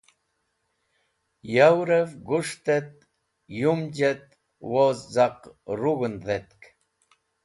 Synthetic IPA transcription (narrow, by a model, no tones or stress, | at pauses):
jawɾɛvɡuʂt̪ɛt̪̚ | jumd͡ʒet̪̚ | wozd͡zaqruɣənðɛt̪k